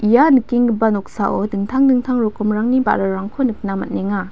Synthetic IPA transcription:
ijanɯkːiŋɡɯbanɔk̚saʔodɯŋtʰaŋdɯŋtʰaŋɾɔkɔmɾaŋniba̰ɾaɾaŋkʰɔnɯk̚namɐt̚neŋa

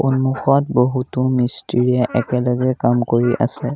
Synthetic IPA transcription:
onuxɔt̚boɦutʊmistiɹiaʔɛkɛlɔɡɛkamkoɹiʔa̰sɛ

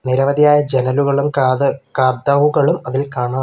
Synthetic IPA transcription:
niɾɐʋɐðijaːjɐd͡ʑenɐluɣɐɭumkaːd̪ːɐʋuɣɐɭumɐðilkaːɳaː

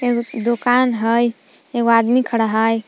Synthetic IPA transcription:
eod̪okanɦəj | eɡoad̪mikʰəɽaɦəj

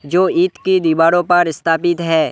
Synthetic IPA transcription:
d͡ʒoːiːt̪kid̪iːbaːɾõpɐɾɪst̪ʰaːpɪt̪ɦɛː

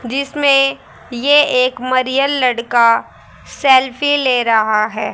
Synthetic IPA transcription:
d͡ʒɪsmẽ | jeeːkmɐɾijəlːɐɽka | sɛːlfʰileːɾɐɦaɦɛː

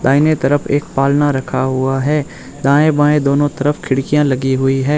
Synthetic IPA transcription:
d̪ãːɪnet̪ɐɾəpʰeːk̚paːlnaɾɐkʰaɦʊaɦɛː | d̪ãːẽbãːẽd̪oːnõt̪ɐɾəfʰkʰɪɽkijãlɐɡiɦʊiɦɛː

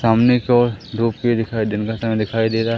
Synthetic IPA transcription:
saːmnekɔːɾd̪ʱuːp̚ked̪ɪkʰaːid̪enkasaːmned̪ɪkʰaːid̪eːɾaɦ

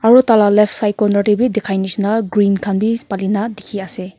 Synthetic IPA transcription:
aɾutalalep̚ʰsajkɔnɔʈibidekʰajnisnaɡɾinkʰanbipalinadikʰiase

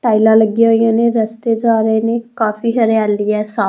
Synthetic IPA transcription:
ʈaːilãləɡjãjãːneːɾəst̪eːd͡ʒaːɾeːnekaːpʰiɦəɾeaːlɪjɛːsaː

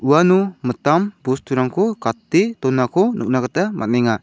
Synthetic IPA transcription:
uanumət̪ambust̪uɾaŋkʰɔkat̪it̪ɔnakʰɔnʔṵk̚nakat̪amʔa̰nɛŋa

